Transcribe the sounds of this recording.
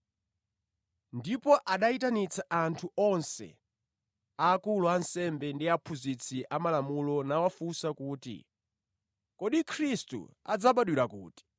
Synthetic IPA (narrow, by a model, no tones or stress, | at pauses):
ndipɔʔaɗaitanit͡sʰaantʰuɔnsɛ̰ | aːkuluansɛmbɛndiapʰuzit͡sʰiʔamalamulɔnawafusakuːtḭ | kɔɗikʰɾistṵa̰d͡zaɓaɗwiɾakṵːti̥